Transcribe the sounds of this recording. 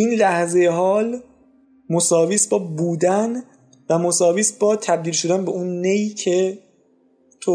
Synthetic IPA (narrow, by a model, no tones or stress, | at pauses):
inlæhzejeɦɒːl | mosɒːviːsbɒːbuːd̪æn | væmosɒːviːsbɒːt̪ʰæb̚d̪iːlʃo̞d̪ænbe̞ʔunːejcʰe | t̪ʰo